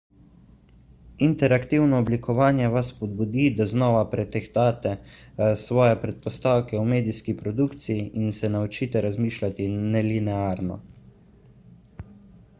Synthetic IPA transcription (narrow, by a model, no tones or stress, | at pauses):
int̪ɛɾakt̪iwnɔːblikʰɔʋaːnjɛʋasːpɔd̪̚bud̪id̪aznɔːʋapɾɛt̪ɛxt̪aːt̪ɛsʋɔːjɛpɾɛt̪̚pɔst̪aːwkɛumeːd̪iskipɾɔd̪ukt̪siiʔinsɛnaut͡ʃit̪ɛɾazmiːʃlʲat̪inɛlinɛaːɾnɔ̰